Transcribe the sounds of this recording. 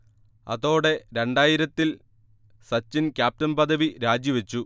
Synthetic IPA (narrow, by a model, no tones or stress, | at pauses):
ɐ̰ðo̞ːɽe̞ɾe̞ɳɖaːjiɾɐt̪ːil | sɐt͡ɕːinkʲjaːp̚tɐnpɐd̪ʱɐʋiɾaːd͡ʑjiʋɐt͡ɕːu